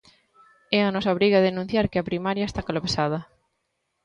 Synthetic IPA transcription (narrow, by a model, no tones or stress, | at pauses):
ɛanɔsɐβɾiɣaðenũn̟θjaɾkɪɐpɾimaɾjaest̪akolopesað̞ɐ